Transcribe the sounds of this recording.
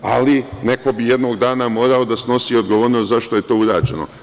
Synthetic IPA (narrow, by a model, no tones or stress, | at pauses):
a̰line̞ko̞bijed̪no̞ːɡd̪aːnamo̞ːɾaod̪asno̞siːo̞d̪ɡo̞ʋoːɾnost̪zaʃt̪o̞je̞t̪o̞ːuɾaːd͡ʒe̞̰no̰